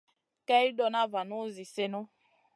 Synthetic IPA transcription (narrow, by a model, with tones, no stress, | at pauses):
kɛ˦i˦dɔ˦na˦va˨no˦zi˨se˦no˦